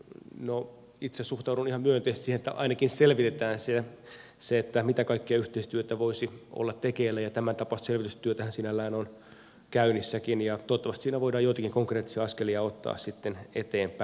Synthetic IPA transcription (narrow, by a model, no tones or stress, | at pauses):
no | it̪sessuht̪ɑudunihɑmmyøent̪eːst̪sihenet̪ːæʔɑ̰inɑkinselʋit̪et̪æːnse | seet̪ːæmit̪ækɑikːeɑyht̪eist̪yøt̪æʋoisio̰lːɑt̪t̪ekeːlːæjɑt̪æmænt̪ɑpɑst̪selʋit̪yst̪yøt̪æhænsinælːæːnon | kæynisːækinjɑt̪oːt̪ːɑʋɑst̪siːnæʋoidɑːjoit̪ɑkiŋkoŋkreːt̪ːi̥siɑɑskeliɑot̪ːɑ̰ːssit̪ːenḛt̪eːmpæ